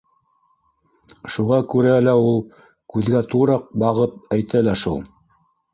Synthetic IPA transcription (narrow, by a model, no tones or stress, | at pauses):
ʃuʁɑkʉɾælæulˠ | kʉðɡæt̪uɾɑq̚bɑʁɤp̚æjt̪ælæʃṵlˠ